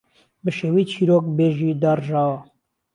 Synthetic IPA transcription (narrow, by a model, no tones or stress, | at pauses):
bəʃeːwit͡ʃʰiːɾoːk̚beːʒiːd̪ɑːɾʒɑːwa